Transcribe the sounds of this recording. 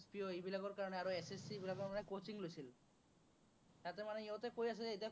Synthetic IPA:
spioejbilaɡoɾkaɾoneaɾoesesːibilaɡoɾmanekot͡ɕiŋlosʰil | t̪at̪emaneiot̪ekojasʰeejt̪a

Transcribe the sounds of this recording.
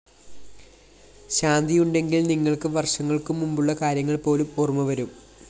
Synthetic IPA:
ɕaːnd̪ʱijuɳɖe̞ŋɡilniŋːɐɭkɨʋɐrʂɐŋːɐɭkumːumbuɭːɐkaːɾjɐŋːɐɭpo̞ːlumorumːɐʋɐɾum

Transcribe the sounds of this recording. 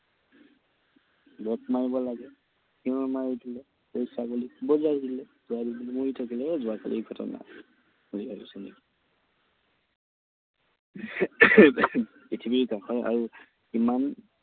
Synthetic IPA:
bɔtmaɹibɔlaɡɛ | hiɔmaɹidilɛ | pɔjsaɡulikʰubɔzadidilɛzʊadiblɛmoɹitʰakilɛzʊaka̰lʔḭɡʱɔtɔ̰na̰ | uliɦɔjṵsɛnḭki̥ | itʰibiɹkaxɔja̰ɹu | kiman

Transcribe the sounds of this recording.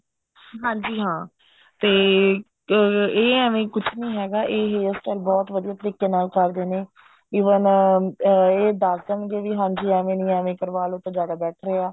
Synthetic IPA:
ɦãːɲd͡ʒiːɦãː | t̪eː | eːɛːʋẽːkʊt͡ʃʰnĩːɦɛːɡaːʔeːɦeːɪskəlbɔːt̪ʋəd̪ijaːt̪əɾiːkeːnaːlkəɾd̪eːneː | iːʋən | eːd̪aːsd̪ənɡeːʋiːɦãːɲd͡ʒiːɛːʋẽːnĩːɛːʋẽːkəɾʋaːlʊt̪ːẽːd͡ʒaːd̪aːbɛːʈʰɾeːaː

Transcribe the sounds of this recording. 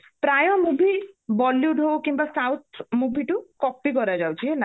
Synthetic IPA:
pɾajɔmubʱibɔljuɖʱowkimbasawt̪ʰmubʱiʈukɔpikɔɾad͡ʒawt͡ʃʰiɦena

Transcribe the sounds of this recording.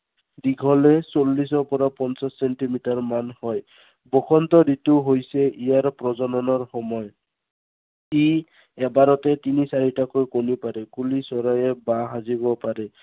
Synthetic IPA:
diɡʰʱɔlɛsolːisɔpɔɹapɔnsasɛntimitaɹmanhɔj | bɔkʰɔntɔdituɦojsɛʔijaɹpɹɔzɔnɔnɔɹxɔmɔj | i | ɛbaɾɔtɛtinisaɹitakojkonipaɾɛkulisɔɹajɛbaɦazibɔpaɹɛ

